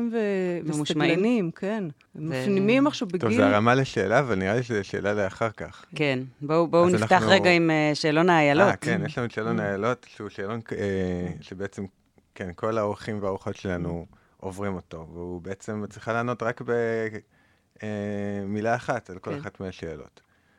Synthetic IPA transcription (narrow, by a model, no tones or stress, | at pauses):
mvevesmuʃmanimken | mafnimimaχʃavbeɡtovzeaʁamaleʃeːlaːvalniʁaliʃeziʃḛːlaleaχaʁkaχkenbobouniafnaχtaχʁeɡaimeʃeːlo̞naːjalo̞kenjeʃlamudʃeːlonaaːjalo̞tʃeuʃeːloneʃebeet͡se̞m | kenko̞laoʁχimveaoχo̞tʃelanu | ʔovʁimo̞to̞veubeet͡se̞mt͡sʁiχalaːno̞tʁakbe | emilaːχatalkoleχatmeaʃeːlo̞̰t